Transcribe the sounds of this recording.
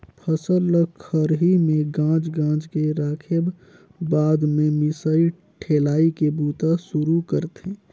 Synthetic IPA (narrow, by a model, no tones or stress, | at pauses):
pʰəsəllːəkʰːəɾɦimẽɡãːt͡ʃɡãːd͡ʒkeɾaːkʰeb | baːd̪mẽmɪsəi | ʈʰeːlaːikebuːt̪asʊɾukəɾt̪eː